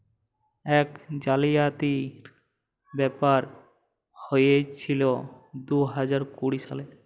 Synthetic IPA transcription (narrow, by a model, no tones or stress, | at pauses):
ɛkd͡ʑalijat̪iɾ | bɛpaɾ | hojet͡ɕʰilo | d̪uɦad͡ʑaɾkuɽiʃa̰le